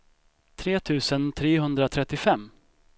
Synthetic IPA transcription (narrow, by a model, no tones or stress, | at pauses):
t̪ʰɾeːt̪ʰʉ̟ːsənt̪ʰɾeːɦɵnd̪ɾat̪ʰɾɛt̪ːɪfɛmː